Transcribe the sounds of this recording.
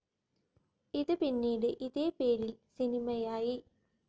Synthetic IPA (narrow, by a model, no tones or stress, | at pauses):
iðɨpinːiːɽɨʔiðe̞ːpeːɾilsinimɐjaːji